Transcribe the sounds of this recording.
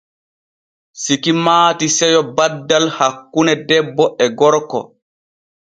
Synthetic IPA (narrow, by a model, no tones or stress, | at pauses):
sikimaːtisɛjɔbadːalhakːunɛdɛbːɔʔɛɡɔɾkɔ̰